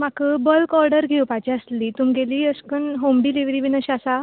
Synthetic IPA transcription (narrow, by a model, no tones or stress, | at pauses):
m̤akəbəlkɔɾɖəɾɡʱewpat͡ɕiəsliːt̪umɡeliːəskənɦomɖiːliʋɾiːʋinəɕasa